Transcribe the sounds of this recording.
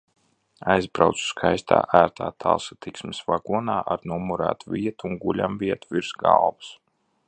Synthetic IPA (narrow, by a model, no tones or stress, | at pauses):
ajzbɾawt̪su̥skʰajst̪ʰa̰ːʔæːɾt̪ʰaːt̪ʰa̰lˠsat̪iksmisvaɡuɔnaːʔaɾnumuɾa̰ːt̪uvʲiɛt̪uuŋɡulʲamviɛt̪uviɾsɡa̰lˠvs